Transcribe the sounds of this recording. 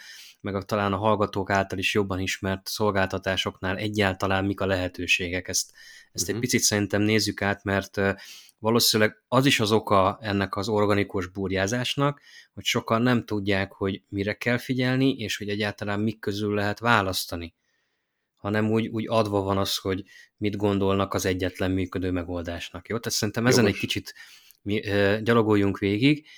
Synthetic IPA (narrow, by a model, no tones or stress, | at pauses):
mɛɡɒt̪ɒlaːnɒɦɒlɡɒt̪oːkaːlt̪ɒliʃjo̞bːɒniʃmɛrt̪so̞lɡaːlt̪ɒt̪aːʃo̞knaːlɛɟːaːlt̪ɒlaːmːikɒlɛɦɛt̪øːʃeːɡɛkɛst̪ɛst̪ɛɟ̚pit̪sit̪sɛɾint̪ɛmneːzːykaːt̪mɛrt̪ | ʋɒloːsinylɛɡɒziʃɒzo̞kɒɛnːɛkɒzo̞rɡɒnikuʒbuːrjaːzaːʃnɒk | ho̞cʃo̞kɒnːɛmt̪uɟːaːkho̞ɟmiɾɛkɛlfiɟɛlniʔeːʃho̞ɟɛɟːaːlt̪ɒlaːmːikːø̞zylːɛɦɛt̪ʋaːlɒst̪ɒni | hɒnɛmuːɟuːɟɒd̪ʋɒvɒnɒsho̞ɟmid̪ɡo̞nd̪o̞lnɒkɒzɛɟːɛt̪lɛmːyːkø̞d̪øːmɛɡo̞ld̪aːʃnɒkjoːt̪aːt̪sɛɾint̪ɛmɛzɛnɛckit͡ʃit̪ | miɟɒlo̞ɡojːuŋkʋeːɡiɡ